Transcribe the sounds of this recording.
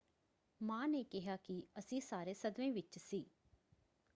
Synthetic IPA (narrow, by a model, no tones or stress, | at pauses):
mãːneːkɪɦaːkiəsĩːsaːɾeːsəd̪ʋẽːʋɪt͡ʃsiː